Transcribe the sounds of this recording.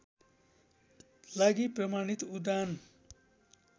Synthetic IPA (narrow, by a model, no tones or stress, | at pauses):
laɡiprʌmanit̪ud̪an